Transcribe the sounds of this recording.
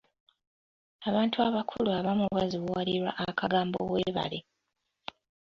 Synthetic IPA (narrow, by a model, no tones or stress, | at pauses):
aβaːntʰuaβakʰuluaβamuβaziβuwaliɾwa̰ʔakʰaɡaːmbo̞̰weːβa̰le